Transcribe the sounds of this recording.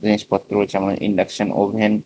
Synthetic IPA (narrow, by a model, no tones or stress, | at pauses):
iniʃpɔt̪ːɾoot͡ɕʰɛmonʔḭɳɖakʃono̰bʱen